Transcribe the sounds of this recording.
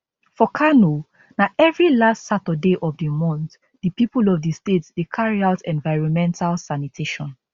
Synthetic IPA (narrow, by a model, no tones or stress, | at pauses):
fɔkʰano | naʔɛvɹilastsatədeʔɔvdəmɔ̃nt | dəpipulɔvdistetsdekʰaɹiaʊtʰɛ̃nvaɪɹɔ̃nmɛ̃ntʰalsanitʰeʃɔ̃n